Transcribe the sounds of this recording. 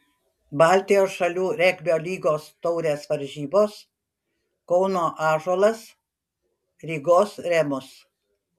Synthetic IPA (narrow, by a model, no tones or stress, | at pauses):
bɑˑlʲt̪ʲɪjoːsʃɐlʲuːɾʲɛkʲbʲoːlʲiːɡoːst̪ɔʊɾʲeːsʋɐɾʲʒʲiːboːs | kɔʊnoːʔɑːʒoːlˠɐs | ɾʲiːɡoːsɾʲɛmʊs